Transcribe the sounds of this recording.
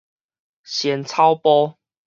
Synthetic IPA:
ɕjɛ˨˦nt͡sʰa˦ʊpɔ˦

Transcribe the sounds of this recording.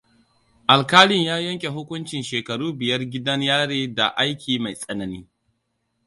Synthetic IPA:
ʔa˨lkaː˦lɪ˦ɲjaː˦jɐ˦ŋkʲʼe˨ɦʊ˦kʷʊ˦nt͡ʃɪ˨nʃeː˨kɐ˨ɽuː˦bɪ˨jɐ˦rɡʲɪ˦dɐ˦ɲjaː˦ɽeː˦da̰˨ʔa˦jkʲʰiː˨ma˨jsʼɐ˦nɐ˨niː˦

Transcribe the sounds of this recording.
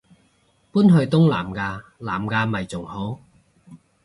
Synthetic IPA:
puː˥nɦɵ˧ɥt̪ʊ˥ŋla̰ː˨˩mkaː˧laː˨˩mkaː˧mɐ˨˩jt͡sʊ˨˩ŋho˨˥w

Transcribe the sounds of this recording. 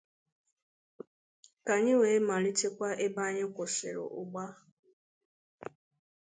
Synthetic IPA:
ka˨ɲɪ˦we˨˦ma˨li˦te˦kʷa˦ʔe˦ba˦ɲɪ˦kʷo˨sḛ˨ɾo̰˨ʔʊ˨ɡ͡ba˦

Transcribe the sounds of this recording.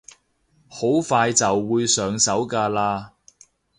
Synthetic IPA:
ho˨˥wfaː˧jt͡sɐ˨wːuː˨˧jsœː˨˧ŋsɐ˨˥wkaː˧laː˧

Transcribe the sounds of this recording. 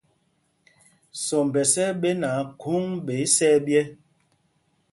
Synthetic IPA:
sɔ˨m˨bɛ˨sɛ˦ɓe˦na˨˦kʰu˦ŋɓe˨˦i˦sɛ˦bjɛ˦

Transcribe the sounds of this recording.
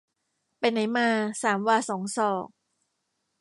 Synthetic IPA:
pa˧jna˨˩˦jmaː˧saː˩˦mwaː˧sɔː˩˦ŋsɔː˨˩k̚

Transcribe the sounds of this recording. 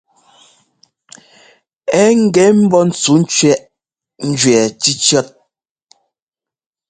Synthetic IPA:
ɛ˦ŋ̩˦ɡɛ˨˦m̩˦bɔ˦n̩˨˦t͡su˨˦n̩˦t͡ʃɥɛ˦ʔ | n̩˦d͡ʒɥɛ˨t͡ʃi˦t͡ʃjɔ˦t̚

